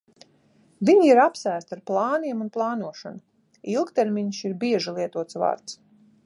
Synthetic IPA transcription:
viɲiiɾapsæːst̪aɾplˠɑːniɛmunplˠɑːnuɔʃa̰nu | ilˠkt̪eɾmʲiɲsiɾbiɛʒilˠiɛt̪uɔt̪sva̰ːɾt̪s

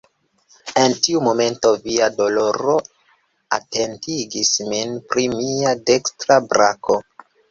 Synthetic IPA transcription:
e̞ntiumo̞me̞nto̞viado̞lo̞ɾo̞ | ate̞ntiɡisminpɾimiade̞kstɾabɾakʰo̞

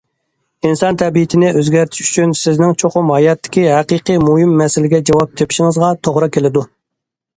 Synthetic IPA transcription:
insɑnt̪ʰɛbijit̪ʰɪnɪʔøzɡʲæɾt̪ʰɪ̥ʃy̥t͡ʃʰynsɪznɪŋt͡ʃʰoχʊmhɑjɑt̪ʰːɪ̥kʲiɦæqɨqɨmuɦimːɛsɪlɪɡʲɛd͡ʒɑwɑp̚t̪ʰepʰi̥ʃɪŋɨzʁɑt̪ʰoʁɾɑkʲʰelɪd̪u

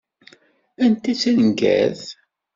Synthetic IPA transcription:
ænt̪it͡sːinəɡæ̰ð

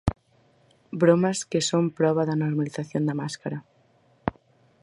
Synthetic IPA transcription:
bɾomaskesompɾɔβ̞aðɐnoɾmaliθaθjond̪amaskaɾa

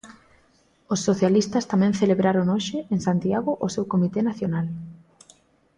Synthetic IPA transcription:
osːoθjalist̪ɐst̪amɛ̃ŋθeleβɾaɾoŋoʃɪeŋsant̪iaɣʊʔosewkomit̪enaθjonal

